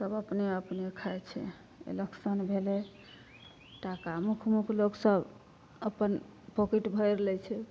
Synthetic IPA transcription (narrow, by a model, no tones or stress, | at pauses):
səbəpneəpnekʰaet͡ʃʰɛ̰ | ḛleksənbʱele | ʈakamukʰmukʰloksəb | əpən | pokiʈbʱəjɾlɛt͡ʃʰɛ